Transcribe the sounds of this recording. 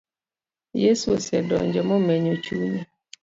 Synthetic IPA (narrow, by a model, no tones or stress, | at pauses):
jesusɛdɔ̰ɲd͡ʒɔmɔmeɲot͡ʃuɲi